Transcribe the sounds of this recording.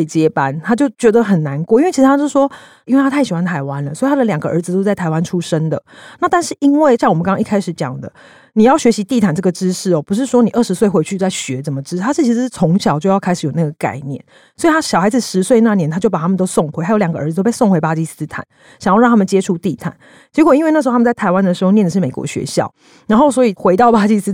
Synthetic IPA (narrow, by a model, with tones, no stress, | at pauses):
e˥˩ɪt͡ɕjɛ˦pa˦nt̪ʰa˥t͡ɕjo˥˩ʊt͡ɕɥɛ˧˥d̪ə˨xə˨˩nna˧˦nkwɔ˥˨i˥wʰi˧˥˧tʰa˥t͡ɕjʂwɔ˦˥ | i˥nwe˥˩t̪ʰa˥t̪ʰa˥˩ɪɕi˨˩xwa˦˥nt̪ʰa˧˥ɪwa˦nlə˨swi˨˩a˥d̪ə˨ljɑ˨˩ŋɡə˩˦ʔə˞˧˥d͡z̩˨˧t̪o˥t͡sa˥˩ɪt̪ʰɪwa˦˥nʈ͡ʂʰu˥ʂə˥ŋd̪ə˨na˥˧t̪a˥˧nʂɻ̩˥˩ʔi˦nwe˥˩ɪɕjŋwmə˨˩kŋkɑ̃˥ŋ˥i˥˩kʰa˥ɪʂɻ̩˨˩˦t͡ɕjɑ̰˨˩ŋd̪ə̰˦ | ni˨˩jɑ˥˩ʊɕɥɛ˧˥ɕi˧˥t̪i˥˨˩t̪ʰa˨˩nʈ͡ʂɤ˥˩ɡə˩ʈ͡ʂɻ̩˦ʂɻ̩˥˩ɔ˨˩pu˧˦ʂ̬ɻ̩˥˩ʂwɔ˥ni˨˩ʔə˥˩ʂɻ̩˧˥swe˥˧ɪxwe˧˥ɪt͡ɕʰy˥˧t͡sa˥˩ɪɕɥɛ˧˦t͡sə˨˩nmə˩ʈ͡ʂɻ̩˥t̪ʰa˥ʂɻ̩˥˩t͡ɕʰi˧˥ʂt͡sʰo˧˦ŋɕjɑ˨˩ʊt͡ɕjo˥˧jɑ˥˩ʊkʰɪʂɻjna˥˩ɡə˩ka̰˥˧ɪnjɛ̰˥˩n | swɔ˧˥i˨t̪ʰa˥ɕjɑ˨˩xa˧ɪd͡z̩˨˩ʂɻ̩˧˦swe˥˧na˥˩njɛ˧˦nt̪ʰa˥t͡ɕjo˥˩pa˨˩a˥mə˨nt̪o˥ʊso˥˨ŋxwe˧ɪxa˥jo˧˥jɡə˧ə̰˞˧d͡z̩˨˧t̪o˥pe˥˧so˥˨ŋxwe˧˥ɪpa˥t͡ɕi˥˧s̩˥t̪ʰa̰˨˩˦n | ɕŋjɑ˥˧ɻɑ˥˧t̪ʰa˥mə˨t͡ɕje˦˥ʈ͡ʂʰu˥t̪i˥˨˩t̪ʰa̰˨˩˦n | t͡ɕjɛ˧˥kwɔ˨˩i˥nwe˥˧na˥˩ʂ̩ʰ˧˥˧m˨˧t͡st̪ʰa˧˥ɪwa˦nd̪ə˨ʂɻ̩˧˥xo˥˧njɛ˥˩nd̪ə˩ʂɻ̩˥˩me˨˩kwɔ̰˧˥ɕɥɛ̰˧˦ɕjɑ̰˥˩ʊ | na˧˦nxo˥˩ʊswɔ˧˥i˨˩xwe˧˥ɪt̪ɑ˥˩ʊpa˥t͡ɕi˥˧sɨ˥